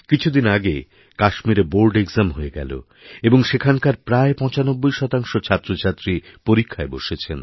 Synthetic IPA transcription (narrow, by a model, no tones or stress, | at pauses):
kit͡ɕʰud̪inaɡe | kaʃmiɾeboɾɖeɡzamɦoeɡɛ̰lo̰ | eboŋʃekʰankaɾpɾaepɔ̃t͡ɕanobːojʃɔt̪aŋʃot͡ɕʰat̪ːɾot͡ɕʰat̪ːɾipoɾikʰːaebo̰ʃet͡ɕʰen